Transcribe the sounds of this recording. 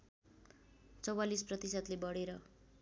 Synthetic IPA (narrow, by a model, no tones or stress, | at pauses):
t͡sʌwalisprʌt̪isʌt̪lebʌɽeɾʌ